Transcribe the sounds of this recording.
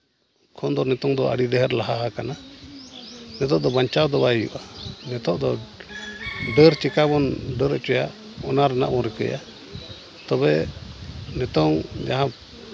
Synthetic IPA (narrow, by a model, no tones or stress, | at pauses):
kʰɔnd̪ɔnɛt̪ɔŋd̪ɔa̰ɽid̪ɛɦɛɾlaɦaakana | nɛt̪ɔʔd̪ɔbaɲt͡ʃawd̪ɔbaɛjṵʔanɛt̪ɔʔd̪ɔ | ɖəɾt͡ʃɛkaβɔnɖəɾɛt͡ʃɔja | ɔnaɾɛna̰ʔbɔɾɛkə̰ja̰ | t̪ɔβɛ | nɛt̪ɔŋd͡ʒaɦã